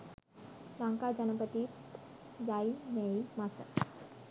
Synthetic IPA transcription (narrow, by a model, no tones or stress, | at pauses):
lãŋkad͡ʑənəpət̪iːt̪ | jaineimat͡sə